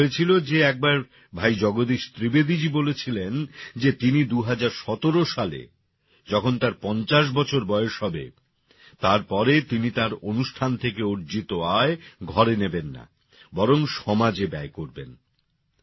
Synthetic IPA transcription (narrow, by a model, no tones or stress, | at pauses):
oet͡ɕʰilod͡ʑeɛk̚baɾ | bʱajd͡ʑɔɡod̪iʃt̪ɾibed̪id͡ʑibolet͡ɕʰilend͡ʑet̪inid̪uɦad͡ʑaɾʃɔt̪oɾoʃalḛ | d͡ʑɔkʰont̪aɾpɔnt͡ɕaʃ̬bɔt͡ɕʰoɾbɔeoʃɦɔbḛ | t̪aɾpɔɾet̪init̪aɾonuʃʈʰant̪ʰekeoɾd͡ʑit̪oaeɡʱɔɾenebenːa̰ | bɔɾoŋʃɔmad͡ʑebɛekoɾbḛn